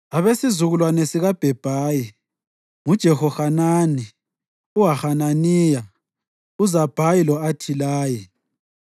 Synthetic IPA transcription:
aβesizuɣulwanesiɣab̥ʱɛb̥ʱaːji | ŋud̥ʒ̥ʱɛxɔxanaːni | uwaxananiːja | uzab̥ʱajilɔatʰilaːji

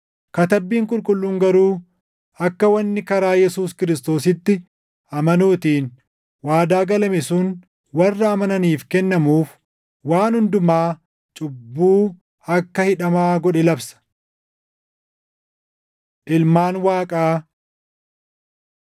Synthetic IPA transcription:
kɐt̪ɐbːiːŋkʼʊlkʼʊlːuːŋɡɐɾuː | ɐkːɐwɐnːɪkɐɾaːjɛsuːskɪɾɪst̪o̞ːsɪt̪ːɪ | ʔɐmɐnuːt̪iːn | waːd̪aːɡɐlɐmɛsʊn | wɐrːɐːmɐnɐniːfkɛnːɐmuːf | waːnhʊnd̪ʊmaː | t͡ʃʼʊbːuː | ɐkːɐhɪᶑɐmaːɡɔᶑɛlɐbsɐ̥ | ʔɪlmaːnwaːkʼaː

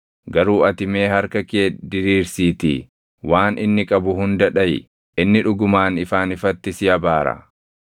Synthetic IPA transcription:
ɡɐɾuːɐt̪ɪme̞ːhɐɾkɐkeːd̪ɪɾiːɾsiːt̪ɪ̰ | waːnʔɪnːɪkʼɐbʊhʊnd̪ɐᶑɐj | ʔɪnːɪᶑʊɡʊmaːnɪfaːnɪfɐt̪ːɪsjɐbaːɾɐ̰

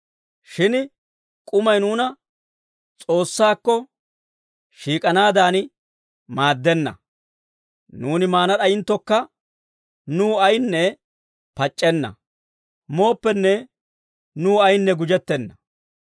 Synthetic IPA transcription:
ʃɪn | kʼʊmɐjnuːnɐ | t͡sʼo̞ːsːaːkːɔ | ʃiːkʼɐnaːd̪aːn | maːd̪ːɛnːɐ̰ | nuːnɪmaːnɐɗɐjɪnt̪ːɔkːɐ | nuːɐjnːɛ | pɐt͡ʃʼːɛnːɐ̰ | mo̞ːpːɛnːɛ | nuːɐjnːɛɡʊd͡ʒɛt̪ːɛnːɐ

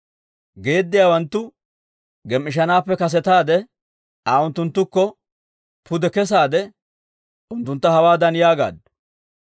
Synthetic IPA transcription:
ɡe̞ːd̪ːɪjaːwɐnt̪ːʊ | ɡɛmʔɪʃ̬ɐnaːpːɛkɐs̬ɛt̪aːd̪ɛ | aːʊnt̪ːʊnt̪ːʊkːɔ | pʊd̪ɛkɛs̬aːd̪ɛ | ʊnt̪ːʊnt̪ːɐhɐwaːd̪ɐnjaːɡa̰ːd̪

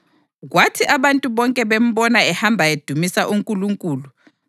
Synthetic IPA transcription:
ɣwatʰiʔaβantʼuβɔŋkʼɛβem̩βɔnaɛhambʱaed̥ʱumisaʔuŋkʼuluŋkʼuːlu

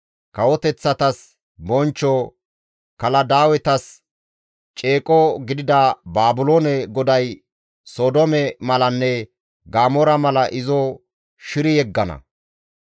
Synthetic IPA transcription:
kɐwɔt̪ɛt͡sːɐt̪ɐs | bɔnt͡ʃːɔ | kɐlɐd̪aːwɛt̪ɐs | t͡ʃʼe̞ːkʼɔɡɪd̪ɪd̪ɐbaːbʊloːnɛɡɔd̪ɐj | soːd̪ɔmɛmɐlɐnːɛ | ɡaːmɔɾɐmɐlɐʔɪzɔ | ʃɪɾɪjɛɡːɐnɐ̰

